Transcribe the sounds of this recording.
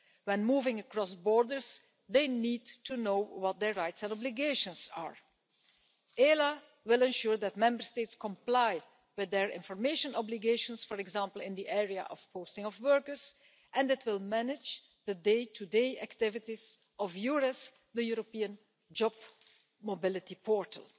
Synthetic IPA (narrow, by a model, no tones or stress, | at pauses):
wɛ̃nmuːvɪ̃ŋəkɹɔsbɔɹdəɹz | ðeɪnidtʰunoʊwɔt̪̚d̪ɛɹɹaɪtsɛ̃nɔblɪɡeɪʃə̃nsa̰ːɹ | ela | wɪlˠɛ̃nʃuːɹd̪ætmɛ̃mbəɹsteɪtskɔ̃mplaɪ | wɪðɛɹɪ̰̃nfɔɹmeɪʃə̃nɔbliɡeʃə̃nsfɔɹɛɡzãmpəl̩ˠɪ̃nd̪iʔɛɹia̰ʔɔfpoʊstɪ̃ŋɔfwɜɹkəɹz | ʔɛ̃ndɪtʰwɪlˠmænɪd͡ʒ | d̪ədeɪtʰudeɪæktɪvɪtiz | ɔfjuɹɛs | d̪əjuɹopiːə̃n | d͡ʒɔb | mobɪlˠɪtipʰɔɹtʰə̰lˠ